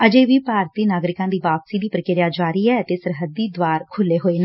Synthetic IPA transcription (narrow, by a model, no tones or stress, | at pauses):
əd͡ʒeːʋiːpaːɾt̪iːnaːɡɾɪkãːd̪iːʋaːpsiːd̪iːpɾəkɪɾɪjaːd͡ʒaːɾiːɛːət̪eːsəɾɦəd̪ːiːd̪ʋaːɾkʰʊlːeːɦoːeːne